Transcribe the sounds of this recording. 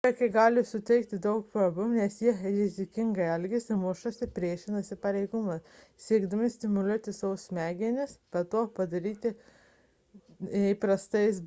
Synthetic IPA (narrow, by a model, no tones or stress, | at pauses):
tɐkʲɪɡɑːlʲɪsʊt̪ʲɛɪkt̪ʲɪd̪ɐʊkpɾoːbʊnʲɛsjiɛɾʲɪzʲɪkʲɪŋɡɐɪɐlʲɡʲɪsʲɪmuʃosʲɪpʲɾʲiɛʃʲɪnɐsʲɪpɐɾʲɛɪɡʊmɐssʲiɛɡd̪ɐmʲɪsʲt̪ʲɪmʊlʲuɔt̪ʲɪsɐʋʊsmʲæːɡʲɪnʲɪspʲɐt̪oːpɐd̪ɐɾʲiːt̪ʲɪ | ipɾɐst̪ɐɪs